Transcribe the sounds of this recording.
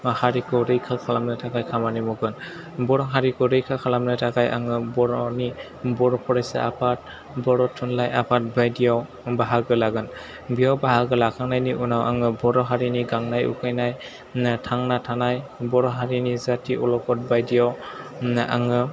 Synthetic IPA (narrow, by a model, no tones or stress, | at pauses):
haɹikɯɾejkʰakʰalamnɯtʰakajkʰamanimɔɡɯn | bɔɾɔɦaɹikɯɾejkʰakʰalamnatʰakajaŋɯbɔɾɔni | bɔɹɔpʰɔɹajsɛa̰pʰat̚ | bɔɹɔtʰːunlajapʰat̚bajdijaw | baɦaɡɯlaɡɯn | bijawbaɦaɡɯlakʰaŋnajniʔunawʔaŋɯbɔɾɔɦaɹiniɡaŋnajṵkʰajnaj | tʰaŋnatʰanajbɔɾɔɦaɹinizatiʔɔlɔkɔt̚bajdijaw | a̰ŋɯ